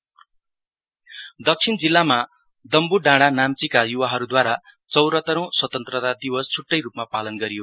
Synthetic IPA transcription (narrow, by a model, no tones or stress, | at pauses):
d̪ʌk̚t͡sʰind͡zilːama | d̪ʌmbuɖãɽanamt͡sikajuwaɦʌɾud̪waɾa | t͡sʌwɾʌt̪ʌɾʌ̃w̃swʌt̪ʌnt̪rʌt̪ad̪iwʌst͡sʰuʈːʌjɾupmapalʌnɡʌɾijo